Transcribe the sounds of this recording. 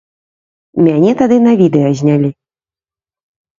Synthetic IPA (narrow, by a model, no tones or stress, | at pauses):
mʲanʲɛt̪ad̪ɨnɐvʲid̪ɛjɐzʲnʲalʲi